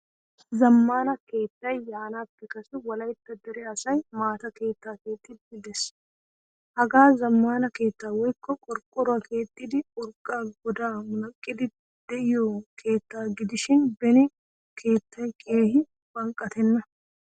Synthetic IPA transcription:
zɐmːaːnɐke̞ːt̪ːɐjjaːnaːpːɛkɐsɪwɐlɐjt̪ːɐd̪ɛɾɛɐsɐjmaːt̪ɐke̞ːt̪ːaːke̞ːt̪ːɪd̪ɪɡɪd̪ɛs | hɐɡaːzɐmːaːnɐke̞ːt̪ːaːwɔjkːɔkʼɔɾkʼːɔɾʊakʰe̞ːt̪ʼːɪd̪ɪkʼɔɾkʼːaːɡɔd̪aːmʊnɐkʼːɪd̪ɪ | d̪̥ɛɪjoːkʰe̞ːt̪ːaːɡɪd̪ɪʃɪnbɛnɪ | kʰe̞ːt̪ːɐjkʼe̞ːhɪ | b̥ɐŋkʼːɐt̪ɛnːɐ

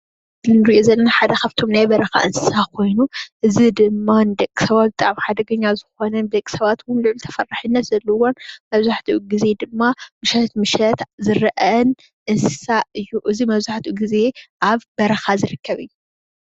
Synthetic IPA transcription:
nɨɾiʔozɐlːɐnaħad̪ɐxɐft̪ʰo̞mnajbɐɾɐxa̰ʔɨnsɨ̥sakʰo̞jnuʔɨzid̪ɨmːanɨd̪ɐkʼːi̥sɐβat̪̚bɨt̪ʼaʕmħad̪ɐɡɐɲːazɨxo̞nɐnbd̪ɐkʼi̥sɐβat̪wʊnlɨʕlt̪ʰɐfɐrːaħɨnːɐt̪zɐlːowonmɐβzaħt̪ʰiɡize̞d̪ɨmːamɨʃɐt̪mɨʃɐt̪zɨɾɐʔɐn | ʔɨnsɨ̥saʔɨjːuʔɨzimɐβzaħt̪ʰuɡize̞ʔaβbɐɾɐxazɨɾɨkːɐβɨjːu

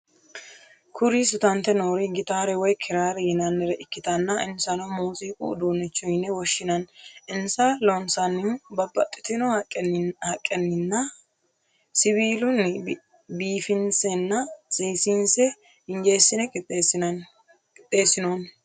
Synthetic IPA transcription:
kʰʊɾis̬ɪt̪ɐnt̪ɛnoːɾiɡɪt̪aːɾɛwɔjkʰɪɾaːɾɛjɪnɐnːɛɾɛʔɪkːɪt̪ɐnːɐɪnsɐnɐwmuːsʼiːkʼṵd̪uːnːɪt͡ʃːʊjnɛwɔʃːɪnɐnɪnsɐlonsɐnːɪbɐbɐt̪ʼːɪ̥t̪ɪnɔhhɐkʼːɛnːɪnːɐ | sɪβiːlʊn | biːfɪnsɛnːɐt͡sʼiːsinsɛ | hɪnd͡ʒe̞ːsːɪnɛkʼɪ | t̪ʼːeːsɪnoːn

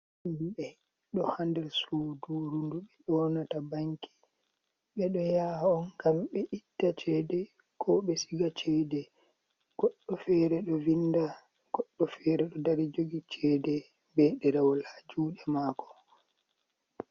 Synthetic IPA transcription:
iɓɛ | ɗɔhandɛɾsuːduɾunduɓɛɗɔnatabaŋki̥ | ɓɛɗɔjahaɔnɡamɓɛʔitːat͡ʃɛːdɛ | kʰɔɓɛsiɡat͡ʃɛːdɛ | ɡ̥ɔɗːɔfɛːɾɛɗɔvinda | ɡ̥ɔɗːɔfɛːɾɛɗɔdaɾid͡ʒoɡit͡ʃɛːdɛ | bɛɗɛɾawlad͡ʒuːɗɛmaːkɔ̥

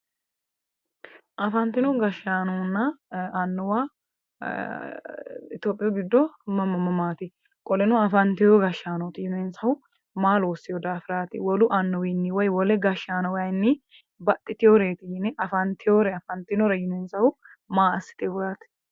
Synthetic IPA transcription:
ʔɐfɐnt̪ɪnɔɡɐʃaːnɔnːɐɐnːʊwa | ɪ̰t̪joːpʼɪjɐɡɪd̪ːɔmɐmɐmːɐmaːt̪ɪ | kʼɔlɛnɔɐfɐnt̪ɪjɔɡɐʃːaːnɔt̪ɪjʊnensɐhʊ | maːloːsɪjɔd̪aːfɪɾaːt̪ɪwɔlʊʔɐnːʊwɪnːɪwɔjwɔlɛɡɐʃːaːnɐwɐjnːɪ | bɐt̪ʼːɪt̪ɪjoɾeːt̪ɪɪnɛʔɐfɐnt̪ɪjoːɾɛɐfɐnt̪ɪnɔɾɛjʊnensɐhʊ | maːɐsːɪ̥t̪ewʊɾat̪ɪ̥

